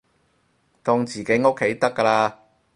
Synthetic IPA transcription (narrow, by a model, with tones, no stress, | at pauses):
t̪ɔː˧ŋt͡siː˨˩ke˨˥jŋo˥kʰːe˨˥jt̪ɐ˥kːɐː˧laː˧